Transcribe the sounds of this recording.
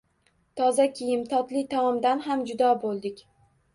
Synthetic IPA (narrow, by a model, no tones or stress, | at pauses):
t̪ʰɒzakʲʰɪjɪmt̪ʰɒt̪lɪt̪ʰaɒmd̪anɦamd͡ʒʊd̪ɒbolˠd̪ɪkʲ